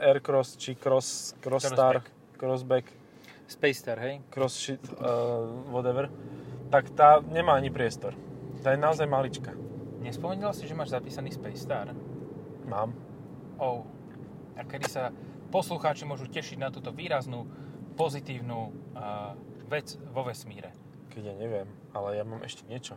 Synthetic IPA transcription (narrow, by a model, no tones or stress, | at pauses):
ɛɾkɾɔst͡ʃikɾɔskɾɔst̪aɾ | kɾɔzbɛk | spɛjst̪aɾɦɛjkɾɔsʃit̪ | ʋɔd̪ɛʋɛɾt̪akt̪aːɲɛmaːaɲipɾɪɛst̪ɔɾt̪aːjɛnaɔzajmalit͡ʃkaɲɛspɔmɛɲilasiʒɛmaːʒzapiːsaniːspɛjst̪aːɾ | maːm | ɔʊ | akɛd̪isa | pɔsluxaːt͡ʃimʊɔʒucɛʃiɟnat̪uːt̪ɔʋiːɾaznupɔzit̪iːʊnu | ʋɛt͡sʋɔʋɛsmiːɾɛ | kɛɟjaːɲɛʋɪɛm | alɛjamaːmʔɛ̰ʃcɛɲɪɛt͡ʃɔ